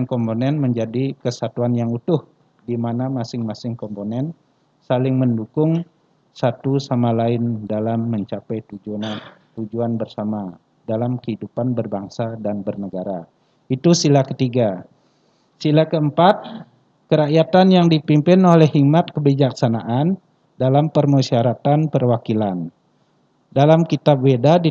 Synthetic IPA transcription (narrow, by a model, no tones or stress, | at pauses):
ŋkɔmponɛnməɲd͡ʒadikəsat̪uanjaŋut̪ʊh | dimanamasɪŋmasɪŋkɔmponɛn | salɪŋməndukʊŋ | sat̪usamalaɪndalamːəɲt͡ʃapɛjt̪ud͡ʒu | t̪ud͡ʒuanbərsama | dalamkəhidupanbərbaŋsadanbərnəɡaɾa | it̪usilakət̪iɡa | silakəəmpat̪̚ | kəɾaʔjat̪anjaŋdipimpɪnolɛhik̚mat̪̚kəbid͡ʒaksanaʔan | dalampərmosiaɾat̪anpərwakilan | dalamkit̪ap̚wedadi